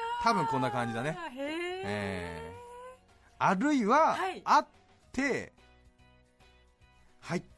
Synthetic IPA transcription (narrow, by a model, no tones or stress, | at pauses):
t̪abɯ̟̃ŋkõ̞nːakãɲd͡ʑid̪ane̞ | ḛː | aɾɯ̟iβaːt̪ʰː | e̞ | hai